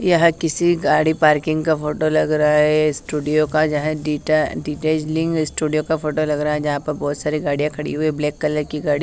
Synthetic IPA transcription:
jɐɦãkɪsiɡaːɽipaːɾkɪ̃ŋɡkafʰoːʈolɐɡɾɐɦaɦɛɪsʈuːɖijokad͡ʒɐɦɛ̃ɖiʈaɖiːʈeːd͡ʒlɪ̃ŋkɪsʈuːɖijokafoːʈolɐɡɾaɦaɦɛd͡ʒɐɦãpɐɾbɔːt̪saːɾiɡaːɽijãkʰɐɽḭɦuibleːkːɐləɾkiɡaːɽi

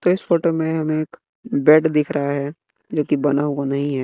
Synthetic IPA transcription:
t̪oɪsfoːʈomẽɦɐmẽːk | bɛːʈd̪ɪkʰɾɐɦaɦɛː | d͡ʒoːkibɐnaɦuanɐɦĩɦɛː

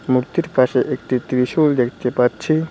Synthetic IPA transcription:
muɾt̪iɾpaʃeʔek̚ʈit̪ɾiʃuld̪ekʰt̪epatːɕʰi

